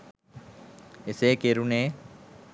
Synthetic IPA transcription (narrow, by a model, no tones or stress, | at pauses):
eseːkeɾuneː